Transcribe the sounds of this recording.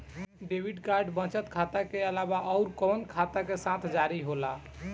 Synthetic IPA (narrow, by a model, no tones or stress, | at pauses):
ɖebiɖkaɾɖbə̃t͡ʃət̪kʰat̪akeəlabaʔəʊɾkɔnkʰat̪akesãt̪ʰd͡ʒaɾiɦola